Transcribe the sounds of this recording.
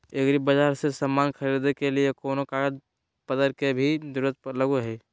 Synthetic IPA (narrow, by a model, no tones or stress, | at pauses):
ekɾibəd͡ʒaːɾsesəmːaːnkʰəɾid̪ekeliekoːnokaːɾd͡ʒ | pəd̪əɾkebʱid̪uɾət̪̚pələɡuɦɛ